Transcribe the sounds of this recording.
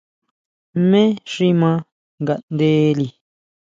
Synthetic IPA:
mẽ˦ʂi˦mã˦˧ | ŋɡa˨nd̪eː˦li˨

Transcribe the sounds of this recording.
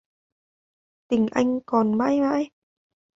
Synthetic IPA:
t̪ï˨˩ŋ̟ʔa˧jŋ̟kɔ˨˩nma̰ː˧˥jma̰ː˧˥j

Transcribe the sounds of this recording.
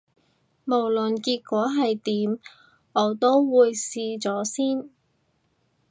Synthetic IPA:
mo˨˩wlɵ˨˩nkiː˧t̚kʷɔː˨˥ɦɐ˨jt̪iː˨˥m | ɔː˨˧t̪o˥wwuː˨jsiː˧t͡sɔː˨˥siː˥n

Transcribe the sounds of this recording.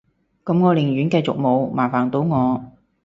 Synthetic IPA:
kɐ˨˥mŋɔː˨˧lɪ˨˩ŋjyː˨˥nkɐ˧jt͡sʊ̰˨˩k̚mo˨˧wmʔaː˨˩faː˨˩nt̪o˨˥wŋɔː˨˧

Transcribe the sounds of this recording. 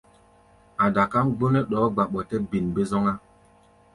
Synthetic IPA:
a˨da˨ka˦ŋɡ͡bo˦nɛ˦ɗɔː˨˦ɡ͡ba˨ɓɔ˨tɛ˦bi˨nbe˦zɔ˦ŋa˦

